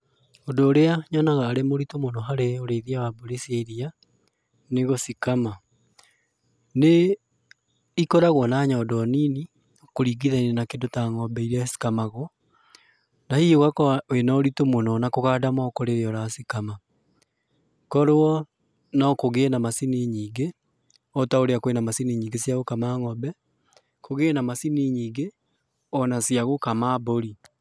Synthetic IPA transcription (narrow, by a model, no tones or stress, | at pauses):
odoːɾeaɲɔnaɣaːɾemoɾitomonɔɦaɾeoɾeðiawaboɾeseiɾia | neɣosikama | ne | ikɔɾaɣwɔnaɲɔːdɔniːni | okoɾiɡiðainenakedotaŋɔbɛiɾasi̥kamaɣwɔ | nahioɣakɔenaoɾitomonɔnakoɣaːdamaːkoɾeɾeɔɾasikama | kɔɾoɔ | nɔkoɣenamasiniɲiːŋɡe | ɔtaoɾeakwenamasiniɲiːŋɡesjaɣokamaŋɔbɛ | koɣeːnamasiniɲiːŋɡe | ɔnasiaɣokamaboɾi